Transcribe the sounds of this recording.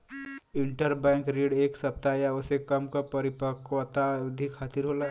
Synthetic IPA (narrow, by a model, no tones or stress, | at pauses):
ɪɳʈəɾbɛ̃ːŋkɾeːɽeːksɐp̚t̪ajaʊsekɐmkapɐɾɪpəkwt̪aʊd̪ʱikʰːaːt̪iɾɦoːla